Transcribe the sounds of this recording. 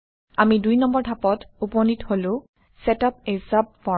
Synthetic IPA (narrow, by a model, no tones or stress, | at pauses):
amidujnɔmbɔɹtʰapɔtupɔnitholʊ̃ | sɛtap̚esap̚ːɔ